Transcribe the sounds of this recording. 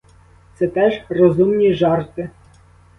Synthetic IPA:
t̪sɛt̪ɛʒrɔzumnʲiʒɑrt̪ɪ

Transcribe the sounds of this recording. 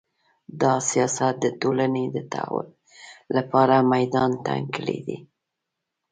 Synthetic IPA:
d̪ɑsijɑsat̪̚d̪ət̪olaned̪ət̪a̰wʊ̰l | lapɑɾamajd̪ɑnt̪a̰ŋkəlḭd̪ḭ

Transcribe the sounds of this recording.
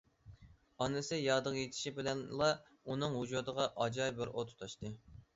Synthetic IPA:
ɑnɨsɨjɑd̪əqjet̪ʰɪ̥ʃibɪlɛnlˠɑ | unɨŋhud͡ʒud̪əʁɑʔɑd͡ʒɑjbɪɾot̪ʰu̥t̪ʰɑʃt̪ɨ

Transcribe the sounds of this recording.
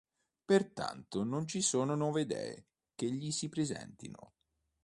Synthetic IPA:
pert̪a̰nt̪onont͡ʃisoːnonɔːved̪ɛ̰i | k̟eʎːisipɾezɛ̰nt̪ḭno̰

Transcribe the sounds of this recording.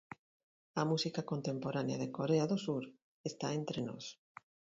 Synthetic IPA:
amusikakont̪empoɾanea̰ðekoɾeaðosuɾ | est̪aent̪ɾeno̰s

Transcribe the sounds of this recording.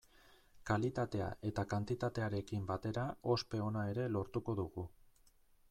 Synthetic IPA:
kalit̪at̪e̞a̰ʔe̞t̪akant̪it̪at̪e̞aɾe̞kimbat̪e̞ɾao̞spe̞o̞nae̞ɾe̞lo̞ɾt̪uko̞ðuɣu

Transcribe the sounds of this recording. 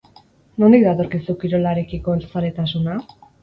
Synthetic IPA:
no̞nik̚d̪at̪o̞ɾkisukiɾo̞laɾe̞kiko̞elt͡saɾet̪asuna

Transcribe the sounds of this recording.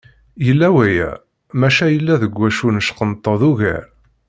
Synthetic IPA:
jəlːæwæjæ̰ | mæʃæjəlːæðəɡʷːæʃunəʃqənt̪ˤːɑðuɣæ̰ɾ

